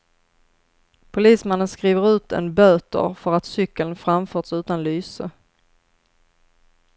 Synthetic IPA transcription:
pʰʊliːsmanːənskɾiːvəɾʉ̟ːt̪ʰɛ̰nbøːt̪ə̰ɾfœɾat̪sʏkːələnfɾamfœːʈsʉ̟ːt̪anlyːsə

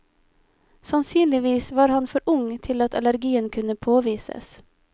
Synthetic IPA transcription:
sɑnsyːnlɪʋiːsʋɑːɾhɑnfɔɾʔʊŋt̪ʰɪlɑt̪ʰɑ̰læɾɡiːənkʰʉnəpʰoːʋiːsə̰s

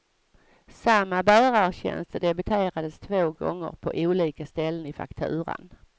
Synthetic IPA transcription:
samːabæːɾaɾɕɛ̰nst̪əd̪ɛbɵt̪ʰeːɾad̪əst̪ʰvoːɡɔ̰ŋːə̰ɾpʰɔ̰ʔuːliːkast̪ɛlːənɪfa̰kt̪ʰʉ̟ːɾə̰n

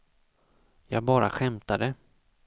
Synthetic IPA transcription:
jɑːɡ̚bɑːɾa̰ɧɛmt̪ad̪ə

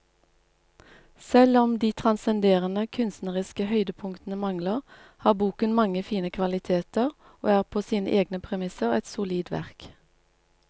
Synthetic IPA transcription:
sɛlɔmd̪iːt̪ʰʁɑnsɛnd̪eːʁənəkʰʉnst̪nəʁɪskəhœʏd̪əpʰʊŋkt̪n̩əmɑŋləʁ | hɑːʁbuːkənmɑŋəfiːnəkʰʋɑlɪt̪ʰeːt̪əʁ | o̰ːæːʁpʰoːsiːnə̰ʔeːɡnəpʰʁɛmɪsəʁɛ̰t̪sʊliːd̪ʋæ̰ʁk

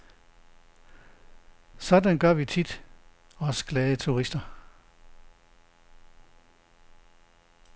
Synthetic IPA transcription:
sɒ̽d̥ænɡ̥ɶɐ̰ʋit͡sʰid̥ | ɒ̽sɡ̥lɛːðˠət͡sʰuʁisd̥ɐ

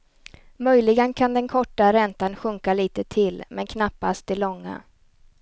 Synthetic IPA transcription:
mœjlɪɡənkʰand̪ɛnkʰɔʈːaɾɛnt̪anɧɵŋkaliːt̪ət̪ʰɪlmɛnkʰnapːast̪̚d̪ɛlɔŋːa̰

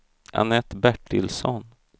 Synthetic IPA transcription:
ʔa̰nɛt̪ːbæʈːɪlsɔn

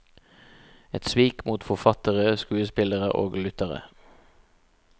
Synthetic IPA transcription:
ɛt̪sʋiːkmuːt̪fɔfɑt̪əʁəskʉːəspɪləʁəʔoːɡlʉt̪əʁə̰

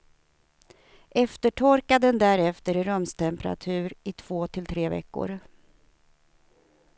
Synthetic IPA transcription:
ʔɛft̪əʈʰɔɾkad̪ənd̪æɾɛft̪əɾɾœmst̪ʰɛmpəɾa̰t̪ʰʉ̟ːɾɪt̪ʰv̥oːt̪ʰɪlt̪ʰɾeːvɛ̰kːʊ̰ɾ

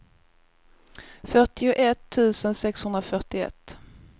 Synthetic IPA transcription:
fœʈɪʊʔɛt̪ʰːʉ̟ːsənsɛkshɵnd̪ɾafœʈɪɛ̰t̪ː

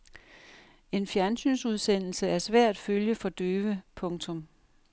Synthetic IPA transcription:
e̝nfjæɐnsy̰ːnsuð̞ˠsen̰l̩səæɐsʋæɐ̰dd̥føljəfɒ̽d̥øːʋəpʰɔ̽ŋt͡sʰɔ̽m

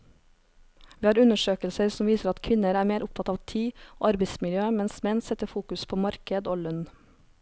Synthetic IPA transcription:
ʋiːhɑːɾʉnəʃøːkəlsəɾsɔmʋiːsəɾɑt̪kʰʋɪnəɾæːɾmeːɾʔʊp̚t̪ʰɑt̪ɑːʋt̪ʰiːo̰ːɑɾbɛɪsmɪljøːmɛnsmɛnsɛt̪əfuːkʉspʰoːmɑɾkəd̪oːlœn

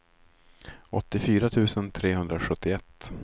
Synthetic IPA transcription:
ɔt̪ːɪfyːɾat̪ʰʉ̟ːsənt̪ʰɾeːɦɵnd̪ɾaɧɵt̪ːɪɛt̪ː

